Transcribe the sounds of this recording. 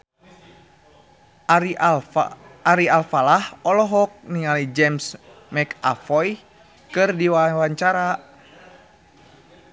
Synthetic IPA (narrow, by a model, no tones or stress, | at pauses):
aɾialfalahɔlɔɦɔk̚niŋalid͡ʒɛms | mɛka̰fɔj | kɨrdiwawaɲt͡ʃaɾa